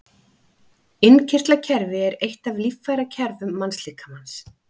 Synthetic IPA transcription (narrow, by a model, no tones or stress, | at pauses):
ɪncʰɪr̥t̪lacʰɛɾvɪɛɾejht̪avlifːajɾacʰɛɾvʏmːansliːkamans